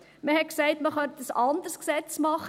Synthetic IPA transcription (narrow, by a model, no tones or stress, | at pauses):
məhɛtksɛɪtməχœntəsɑnd̪ərsksɛt͡smɑχə